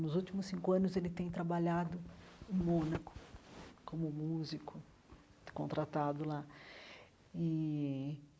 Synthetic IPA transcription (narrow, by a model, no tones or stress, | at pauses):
nʊzut͡ʃimʊsĩŋkʊɐ̃nʊzelɪt̪ẽj̃t̪ɾabaʎad̪ʊʊmõnɐkʊ̥kõmʊmuzikʊ | kõnt̪ɾat̪ad̪ʊla | ɪ